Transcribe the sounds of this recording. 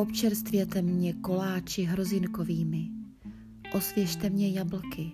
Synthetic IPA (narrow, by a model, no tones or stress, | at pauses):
opt͡ʃɛɾst̪vjɛt̪ɛmɲɛko̞laːt͡ʃɪɦɾo̞zɪnko̞viːmɪ | ʔo̞svjɛʃt̪ɛmɲɛjabl̩kɪ